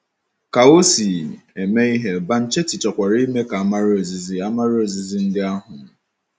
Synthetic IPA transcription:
ka˨o˦si˨e˨me˦i˦ɦe˦ba˦n̩˦t͡ʃe˦tɪ˨t͡ʃɔ˨kʷa˨ɾi˦me˦ka˨a˦ma˦ɾo˨zi˨zi˦a˦ma˦ɾo˨zi˨zi˦n̩˦dɪ˦a˦ɦʊ˨˦

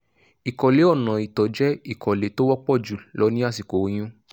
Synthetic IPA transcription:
i˨kɔ˨le˨˦ɔ˦˨nã˨i˨tɔ˨˦d͡ʒɛ˦i˦˨kʰɔ˨le˨˦to˦wɔ˦k͡pɔ˦˨d͡ʒu˨lɔ˨˦nĩ˦a˦˨si˨ko˨˦j̃ũ˦

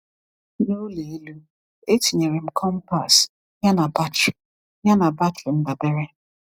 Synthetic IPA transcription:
no˦le˨e˦lu˦ | e˦ti˨ɲe˨ɾe˨m̩˨kʰɔ˦m̩˦pa˨s | ɲa˦na˨ba˦t͡ʃi˨ | ɲa˦na˨ba˦ti˨n̩˦da˨be˦ɾe˦

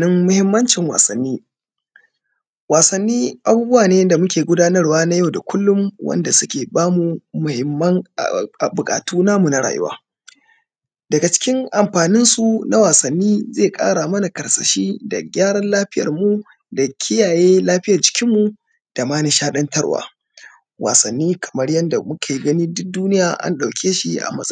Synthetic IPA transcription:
nɪ˦mːʊ˦hɪ˦mːɐ˦nt͡ʃɪ˨ŋwa̰ː˨sɐ˨nːiː˦ | waː˨sɐ˨nːiː˦ʔa˨buː˦bʊ˦waː˨neː˦da˨mʊ˦kʲeː˨ɡʷʊ˦daː˦nɐ˦rwaː˦na˦ja˦˨wda˨kʷʰʊ˦lːʊ˦mwɐ̰˦nda˨sʊ˦kʲeː˨baː˦mu˨mʊ˨hɪ˨mːɐ˦ŋ̰˨ʔa˨bʊ˨kʼa̰ː˨tuː˦naː˦mu˨na˦ɽa̰ː˨jʊ̰˦wa̰ː˦ | dɐ˨ɡa˨t͡ʃɪ̥˦kʲɪ˦ŋʔa˨mɸaː˨nɪ˦nsu˨na˦waː˨sɐ˨nːiː˦zeː˦˨kʼa̰ː˦ɽa˨mɐ˦na˨kɐ˨ɾsɐ˨ʃiː˦da̰˨ɡʲaː˦ɽɐ˦nlaː˦ɸɪ˦jɐ̰˨rmu˦ | da˨kʲʰɪ˦jaː˨jeː˦laː˦ɸɪ˦jɐ˨rd͡ʒɪ̥˨˦kʲɪ˦mːu˨ | d̥a˨maː˦ni˦ʃaː˦ɗɐ˦ntɐ˦ɽwa̰ː˨ | wa̰ː˨sɐ˨nːiː˦kʰɐ̥˨mɐ˦ɽjɐ˦nda˨mʊ˦kʰa˨ji˨˦ɡɐ˦niː˦dʊ˦k̚duː˦nɪ˦jaː˨ʔa̰˦nɗa˨wkʲʰeː˦ʃi˨ʔa̰˨mɐ˦

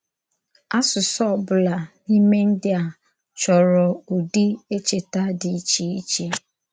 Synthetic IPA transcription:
a˦sʊ˨sɔ˦˨bʊ˨˦la˨ni˦me˦n̩˦dɪ˦a˨ | t͡ʃɔ˨ɾɔ˨u˨di˦e˦t͡ʃe˨ta˦dɪ˨i˦t͡ʃi˦i˦t͡ʃe˦

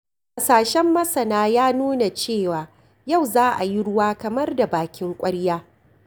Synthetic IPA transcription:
kʼa˨saː˨ʃɛ˦mːɐ˦sɐ˨naː˦jaː˦nuː˦na˨t͡ʃeː˦˨waː˨ | ja˦˨wzaː˦ʔa˨ji˦ɽʊ˦waː˦kɐ˨mɐ˦rda˨baː˨kʲɪ˦ŋkʷʼɐ˦ɽjaː˦

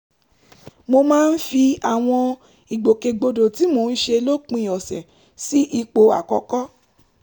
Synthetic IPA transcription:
mo˧mãː˦n̩˦fi˧a˨w̃ɔ̃˧ | i˨ɡ͡bo˨ke˧ɡ͡bo˧do˨ti˨˦mo˧n̩˦ʃe˧lo˦k͡pĩ˧˦˨ɔ˨sɛ˨ | si˦ʔi˧k͡po˧a̰˨kɔ˧kɔ˦

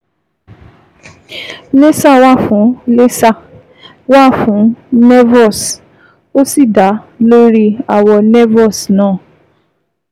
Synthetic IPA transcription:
le˦sa˦˨wa˦˨fũ˨˦le˦sa˦˨ | wa˦˨fũ˨˦nɛ˦vɔ˦˨s | o˦si˦˨da˨˦lo˦ɾi˦a˧˨wɔ˧nɛ˦vɔ˦˨snãː˨˦˨

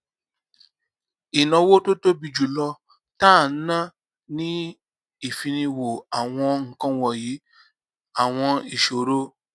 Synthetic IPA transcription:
i˨nã˧wo˦to˦to˦bi˧d͡ʒu˨lɔ˧ | ta˦˨n̩˦nã˦ | nĩ˦ | i˦˨fi˧nĩ˧wo˨a˨w̃ɔ̃˧ŋ̩˦˨kã˦wɔ˦˨ji˨˦ | a˨w̃ɔ̃˧i˨ʃo˨ɾo˦

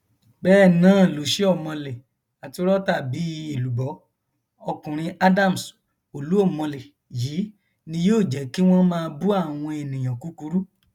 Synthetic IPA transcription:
bɛː˦˨nãː˨˦˨lo˨ʃe˦ɔ˦˨mɔ̃˧le˨ | a˨ti˧˦ɾɔ˦ta˦˨bi˨˦i˧˦e˦˨lu˨bɔ˨˦ | ɔ˧kũ˨ɾ̃ĩ˧ʔa˦da˦˨mu˨s | o˨lu˨˦o˦˨mɔ̃˧le˨ | jiː˨˦ | nĩ˧joː˦˨d͡ʒɛ˨˦ki˦w̃ɔ̃˦mãː˦˧bu˦a˦˨w̃ɔ̃˧e˨nĩ˨j̃ã˨ku˨˦ku˧˦ɾu˦

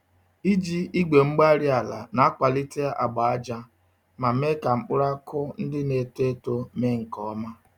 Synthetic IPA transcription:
i˦d͡ʒi˦i˦ɡ͡be˨ŋ͡m̩˦ɡ͡ba˦ɾi˦a˨la̰˨na˦a˦kʷa˨li˦ti˦a˦ʔa̰˨ɡ͡ba˨a˦d͡ʒa˦ | ma˨m˦e˦ka˨ŋ͡m̩˦k͡pʊ˦ɾa˦kʊ˦n̩˦dɪ˦ne˨te˦to˦me˦ŋ̩˨kɔ˦ma˦

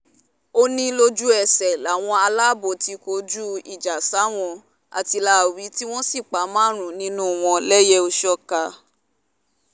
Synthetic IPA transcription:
o˧nĩ˧lo˧d͡ʒu˦ɛ˦˨sɛ˨la˨˦˨w̃ɔ̃˧a˧la˦bo˧˨ti˧ko˧d͡ʒu˦ḭ˨d͡ʒa˨sa˨˦w̃ɔ̃˧ | a̰˨ti˧la˧˦˨wi˨˦ti˦w̃ɔ̃˦si˦˨k͡pa˨˦mãː˦ɾ̃ũ˨nĩ˦nũ˦˨w̃ɔ̃˧lɛ˦jɛ˦o˧ʃɔ˦ka˧

